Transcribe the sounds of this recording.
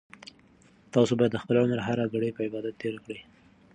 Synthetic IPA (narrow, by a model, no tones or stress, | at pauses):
t̪ɑsobɑjad̪ːəxpəlaʊmaɾaɦaɾaɡaɽəjpəɪbɑd̪at̪ːeɾakɽi